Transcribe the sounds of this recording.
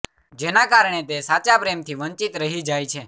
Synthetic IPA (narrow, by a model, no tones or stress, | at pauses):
d͡ʒenakaɾɳ̃et̪esat͡ʃapɾemt̪ʰiʋənt͡ʃit̪ɾəɦid͡ʒajt͡ʃʰe